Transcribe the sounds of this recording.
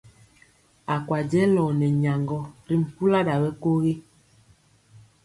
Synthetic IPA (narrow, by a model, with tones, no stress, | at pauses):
a˨kwa˨d͡ʒɛ˦lɔː˨nɛ˨ɲa˨ŋɡɔ˦ɾi˦m̩˨pu˦la˦da˨wɛ˦ko˦ɣi˦